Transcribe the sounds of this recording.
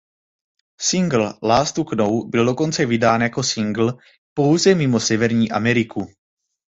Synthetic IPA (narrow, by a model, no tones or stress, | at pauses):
sɪŋɡl̩laːst̪uknowbɪldo̞ko̞nt͡sɛvɪdaːnjako̞sɪŋɡl̩ | po̞wzɛmɪmo̞sɛvɛɾɲiːʔa̰mɛɾɪku